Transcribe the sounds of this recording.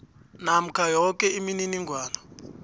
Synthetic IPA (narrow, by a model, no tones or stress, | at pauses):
nam̩kʰajɔkɛimininiŋɡʱwaːna